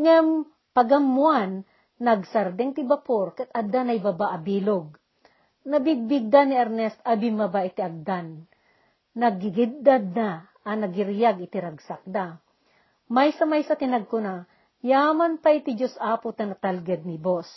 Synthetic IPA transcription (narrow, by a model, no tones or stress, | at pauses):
ŋam | pɐɡɐmːwanː | ɐɡsɐɾd̪ɛŋt̪ɪbapoɾkɐt̪̚ʔɐd̪anɐjbɐbaʔɐbiːloɡ̚ | nɐbɪɡ̚bɪɡ̚d̪anːɪɐɾnɛst̪ɐbɪmɐbaʔɪt̪iʔɐɡ̚d̪anː | ɐɡɪɡɪd̪ːad̪na | ɐnɐɡɪɾjaɡɪt̪ɪɾɐɡsak̚d̪a | majsɐmajsɐt̪ɪnɐɡ̚kʊna | jaːmanpait̪ɪd͡ʒosʔaːpʊt̪ɐnɐt̪alɡɛd̪̚nɪbos